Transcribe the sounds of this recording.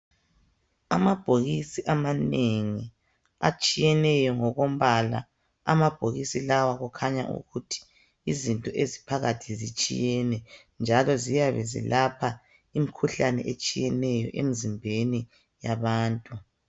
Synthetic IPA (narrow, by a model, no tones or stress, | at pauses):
amab̥ʱoɣisiʔamaneŋi | a̰t͡ʃʼijɛnɛjɔŋɔɣom̩βala̰ | a̰mab̥ʱoɣisilawaɣukʰaɲa̰ʔṵɣutʰi̥ | izintʼɔʔezi̥pʰaɣatʰizit͡ʃʼḭjɛnɛ | nd͡ʒʱalɔzijaβɛzḭlapʰa | imikʰuɬanɛ̰ʔet͡ʃʼijɛnɛjɔ̰ʔḛm̩zimbʱeni | jaβaːntʼu